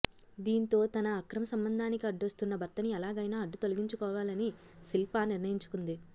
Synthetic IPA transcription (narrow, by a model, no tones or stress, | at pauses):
d̪iːnt̪o̞ːt̪ɐnɐːkɾɐmɐsɐmbɐnd̪ʱaːnikiɐɖːuɐst̪unːɐbʱɐɾt̪ːɐniɛlaːɡɐjnaːɐɖːut̪o̞luɡiɲt͡ʃukɔːʋaːlɐni | silpaːniɾnɐjiɲt͡ʃu̥kund̪i